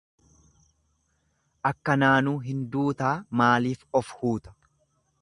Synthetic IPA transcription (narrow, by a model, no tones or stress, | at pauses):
ʔɐkːɐnaːnuːɦɪnd̪uːt̪aːmaːliːfɔfhuːt̪ɐ̥